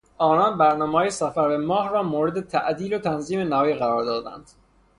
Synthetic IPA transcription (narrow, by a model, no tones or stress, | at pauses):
ʔɒːnɒːnbæɾnɒːmehɒːjesæfæɾbemɒːhɾɒːmoːɾe̞d̪et̪ʰæ̰ʔd̪iːlot̪ʰænziːmenɒːjiːɣæɾɒːɾd̪ɒːd̪æ̰nd̪̥